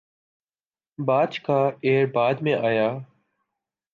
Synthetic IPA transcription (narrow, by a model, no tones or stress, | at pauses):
baːt͡ʃkaːeːɾbaːd̪mẽːʔaːjaː